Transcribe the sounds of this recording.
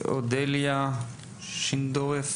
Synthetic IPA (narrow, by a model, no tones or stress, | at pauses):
o̰d̪elja | ʃind̪oef